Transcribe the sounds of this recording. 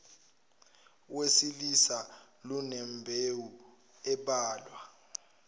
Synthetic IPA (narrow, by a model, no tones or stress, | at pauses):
wesilisalunɛmbʱewu | ɛɓaːlwa